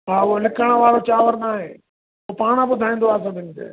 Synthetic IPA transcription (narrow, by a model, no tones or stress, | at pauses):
ɦaːolɪkʰəɽ̃əʋaːɾoːt͡ʃaːʋəɾnaːɦeː | oːpaːɽ̃ãːbʊd̪ʱaːĩːnd̪oaːs̬ãːd̪ɪnt̪ḛː